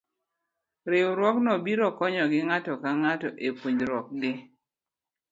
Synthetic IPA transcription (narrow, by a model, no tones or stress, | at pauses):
ɾɪɾwɔknɔbiɾɔkɔɲɔɡɪŋatɔkaŋatɔʔepuɲd͡ʒɾwɔk̚ɡɪ